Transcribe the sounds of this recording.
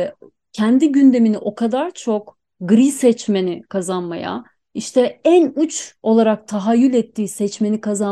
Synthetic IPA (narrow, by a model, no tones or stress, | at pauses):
cʰɛnd̪iɟynd̪e̞miniʔo̞kʰad̪aɾt͡ʃʰo̞k | ɡɾisɛt͡ʃme̞nikʰazanma̰ja̰ | iʃt̪ʰɛænut͡ʃo̞lˠaɾak̚t̪ʰaɦajylʲɛt̪ʰːiːsɛt͡ʃme̞nikʰaza